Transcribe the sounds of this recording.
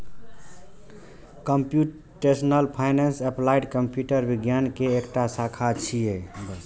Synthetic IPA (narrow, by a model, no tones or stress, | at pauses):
kəmpju | ʈesnəlpʰaɪnensɛplajʈkəmpjuʈəɾbiɡjankeːkʈasakʰat͡ʃʰijebəs